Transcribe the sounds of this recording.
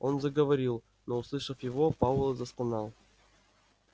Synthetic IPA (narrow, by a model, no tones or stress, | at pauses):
onzəɡəvɐɾʲilˠ | nouslˠɨʂəfjɪvopɑlˠəzəskˠnɑlˠ